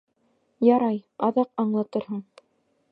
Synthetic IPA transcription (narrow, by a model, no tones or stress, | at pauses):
jɑɾɑjɑðɑqɑɴlˠɑt̪ɤɾɦɤɴ